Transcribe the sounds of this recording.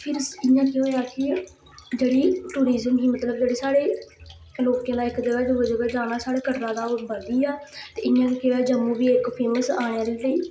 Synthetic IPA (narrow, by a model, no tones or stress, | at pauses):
pʰɪɾɪjãːkɪɦoːjaːkɪ | d͡ʒeːɽiːʈuːɾiːzəmɡiːmət̪ləbd͡ʒeːɽeːsaːɽeː | loːkːẽːlaːɪkd̪əɡaːd͡ʒoːəd͡ʒobeːd͡ʒaːnaːsaːɽeːkəʈɾãːd̪aːbəd̪iːaːt̪ḛːɪjãːkekeɦoːjaːd͡ʒəmːũːbiːekpʰeːməsaːɽ̃jaːliːləiː